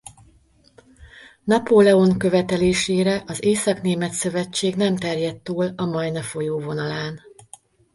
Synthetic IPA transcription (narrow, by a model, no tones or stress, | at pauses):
nɒpolɛo̞ŋkø̞vɛt̪ɛleːʃeːɾɛʔɒzeːsɒkneːmɛt̪sø̞vɛt͡ʃːeːɡnɛmt̪ɛrjɛt̪ːuːlɒmɒjnɛfo̞joːvo̞nɒlaːn